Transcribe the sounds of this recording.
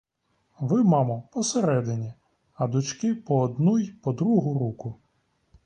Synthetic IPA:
ʋɪmɑmɔpɔseɾɛd̪ɪnʲi | ɐd̪ʊt͡ʃkɪpɔːd̪nujpɔd̪ɾuɦʊɾukʊ

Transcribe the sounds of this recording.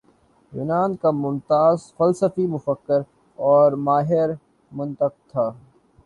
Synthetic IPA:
jʊnaːnkamʊmt̪aːzfɐlsəfimʊfəkːɪɾ | ɔːɾmaːɦɪɾ | mʊ̃nt̪əq̚t̪ʰaː

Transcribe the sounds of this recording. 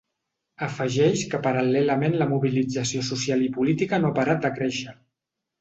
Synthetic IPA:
əfəʒɛʃkəpəɾəlɛləmenləmuβilid͡zəsiosusialipulit̪ikənoapəɾat̪̚d̪əkɾɛʃə

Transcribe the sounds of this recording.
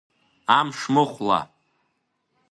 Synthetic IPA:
amʂmɨχʷla̰

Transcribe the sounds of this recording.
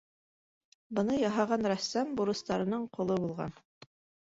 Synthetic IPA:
bɤ̆nɤjɑɦɑʁɑnɾæst̪æmbuɾɤ̆st̪ɑɾɤ̆nɤɴqŏlˠɤbulˠʁɑ̰n

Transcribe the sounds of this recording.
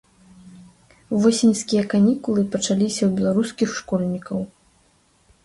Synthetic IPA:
vɔsʲinʲskʲijɐkanʲikulˠɨpɐt͡ʂalʲisʲɐwbʲɛlˠaɾuskʲixʂkɔlʲnʲikɐw

